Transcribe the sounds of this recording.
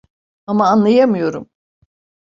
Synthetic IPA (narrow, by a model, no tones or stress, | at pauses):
amaːnlˠajamɯjo̞ɾum